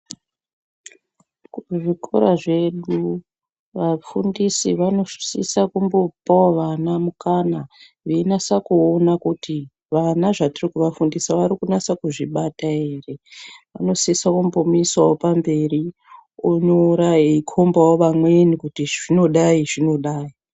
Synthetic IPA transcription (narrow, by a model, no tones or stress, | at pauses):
kuʐikʰo̰ɾaʐe̞ɗu | ʋafundisiʋano̞̥sisakumbopaoʋanamukana | ʋenasakuonakutʰi | ʋanaʐatirikuʋafundisaʋaɾikunasakuʐiɓataere̞ʋano̞sisakumbomuiswawopambe̞ri | oɲoɾaeikʰo̞mbawoʋamwenikutiʐino̞ɗaiʐino̞ɗaːi